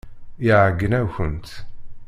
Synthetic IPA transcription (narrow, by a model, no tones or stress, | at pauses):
iʕəɡːənæwçənt̪